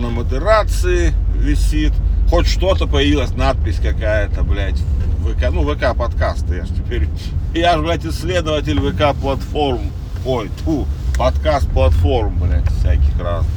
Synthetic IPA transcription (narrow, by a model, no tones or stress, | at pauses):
nəməd̪ɨɾat̪sɨɪvʲɪsʲit̪xotʲʂt̪o̞t̪əpəjɪvʲilˠəsʲnat̪̚pʲɪsʲkɐkajət̪əblʲætʲvɨkanuvəkapɐt̪kast̪əja̰ʐtʲɪpʲeɾʲiɪjaʐblʲætʲɪsʲːlʲe̞d̪əvətʲɪlʲvɨkaplˠɐt̪fo̞rm | ojt̪ʰupɐt̪kast̪̚plˠɐt̪fo̞rmblʲæ̰t̪ʲfsʲæ̰kʲɪxɾa̰s